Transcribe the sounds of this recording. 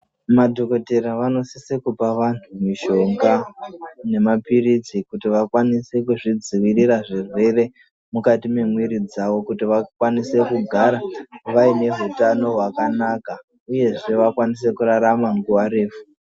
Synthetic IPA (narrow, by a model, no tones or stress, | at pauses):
madʱo̞ko̞te̞ɾaʋano̞sisekupaʋantʰumiʃo̞ŋɡa | ne̞mapiɾit͡sikutiʋakwanise̞kuʐid͡ziʋiriɾaʐirwe̞re̞ | mukatime̞mwiɾid͡zaʋo̞kutiʋakwanise̞kuɡʱaɾaʋaine̞ɦutano̞ɦwakanaka | uje̞ʐe̞ʋakwanis̬e̞kuɾaɾamaŋɡuwaɾeːfu̥